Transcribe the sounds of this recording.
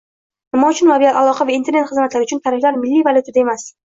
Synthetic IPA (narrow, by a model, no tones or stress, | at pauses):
nɪmɒʊt͡ʃʰʊnlabijalalˠɒqʰɑvaint̪eɾnet̪χɨzmat̪laɾɪʊt͡ʃʰʊnt̪ʰaɾɪflaɾmɪlːijvalʲˠut̪ʰad̪ae̞mas